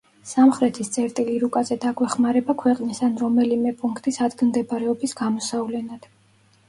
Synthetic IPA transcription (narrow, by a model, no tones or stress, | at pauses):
samχɾɛt̪ʰist̪sʼɛɾt̪ʼiliɾukʼazɛd̪aɡwɛχmaɾɛbakʰwɛqʼnisanɾɔmɛlimɛpʼuŋkʰt̪ʼisad̪ɡ̪md̪ɛbɾɛɔbisɡamɔsavlɛnad̪̥